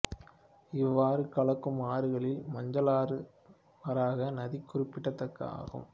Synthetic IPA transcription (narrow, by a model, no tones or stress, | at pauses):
ɪʋːaːɾɯkɐɭɐkːɯmaːɾɯɣɐɭɪlmɐɲd͡ʒɐlaːɾɯ | ʋɐɾaːɣɐnɐðikːʊrɪpːɪʈːɐt̪ːɐkːa̰ːɣɯ̰m